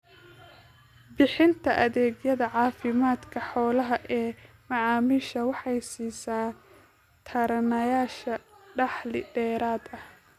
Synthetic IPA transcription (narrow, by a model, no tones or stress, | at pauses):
bɪħɪnt̪ʰɐʔɐðɛːɡjɐðɐʕɑːfɪmaːd̪kʰɐħɔːlɐɦɐʔɛː | mɑʕɑːmiʃɐwɑħɑjsiːsaː | t̪ʰɐɾɐnɐjaːʃɐɖɑħlɪ̰ɖɛːɾaːd̪ɐh